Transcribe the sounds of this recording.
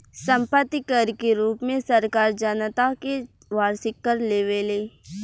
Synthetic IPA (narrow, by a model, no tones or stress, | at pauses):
sə̃mpət̪ːikəɾkeɾuːpmẽsəɾkaːɾd͡ʒənt̪ake | ʋaːɾsɪkːəɾleːʋeleː